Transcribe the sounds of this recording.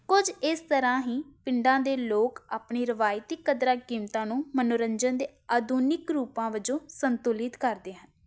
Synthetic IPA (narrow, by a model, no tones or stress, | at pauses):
kʊd͡ʒɪst̪əɾãːɦiːpɪɳɖãːd̪eːloːkaːpɳiːɾəʋaːjt̪iːkːəd̪ɾaːkiːmt̪ãːnũːmənoːɾəɲd͡ʒənd̪eːaːd̪uːnɪkɾuːpãːʋəd͡ʒõːsənt̪ʊlɪt̪kəɾd̪eːɦən